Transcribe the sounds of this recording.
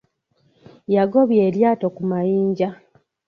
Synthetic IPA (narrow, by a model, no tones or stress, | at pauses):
jaɡo̞βje̞ːljaːto̞kumajiːɲɟa